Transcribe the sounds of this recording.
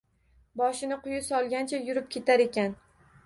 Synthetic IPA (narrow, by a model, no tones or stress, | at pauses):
bɒʃɪnɪqʊjɪsɒlˠɡʲant͡ʃʰajʊɾɪp̚kʲe̞t̪ʰaɾe̞kʲan